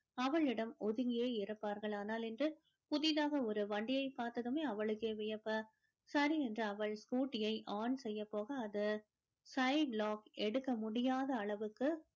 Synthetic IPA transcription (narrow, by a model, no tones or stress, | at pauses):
ɐʋɐɭɪɽɐmɔðɯŋɪjeːɪɾɐpːaːɾɣɐɭaːnaːlɛndrɯ | pʊðɪðaːɣɐɔɾɯʋɐɳɖɪjɐɪpːaːɾt̪ɐðɯmeːɐʋɐɭɯkːeːʋɪjɐpːɐ | sɐɾiɛndrɯɐʋɐɭskuːʈːɪjɐɪʔaːnsɛjːɐpːoːɣɐːðɯ | sɐɪɖlaːkɛɽɯkːɐmʊɽɪjaːðɐːɭɐʋɯkːɯ